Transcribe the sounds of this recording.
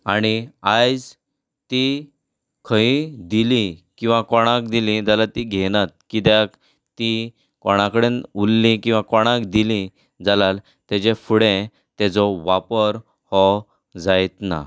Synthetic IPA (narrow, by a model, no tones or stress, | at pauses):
aɽ̃iajd͡z | t̪i | kʰəid̪ilikĩw̃ʋakɔɽ̃akd̪ilĩd͡zalat̪iɡʱɛnat̪̚kit̪jak | t̪i | kɔɽ̃ãkəɽenulːikĩw̃ʋãkɔɽ̃akd̪ilĩ | d͡zalal | t̪ɛd͡ʑefuɽẽ | t̪ɛd͡zɔʋapəɾ | hɔ | d͡zajt̪na̰